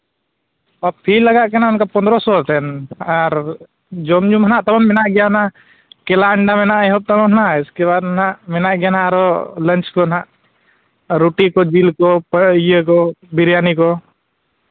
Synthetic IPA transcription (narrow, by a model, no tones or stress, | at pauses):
ɐb̚pʰilːəɡaʔkenaʊnkapənd̪ɾɔsot̪ɛnaɾ | d͡ʒomd͡ʒũmənaʔt̪ɐbəmːɪnaʔɡjana | kelaːɳɖamenaʔjɦob̚t̪əməmnaɪskeβad̪mnaʔmɪnaʔɡjanaɾolənt͡ʃkonaʔ | ɾuʈikod͡ʒilkopəjekobɪɾjaːniko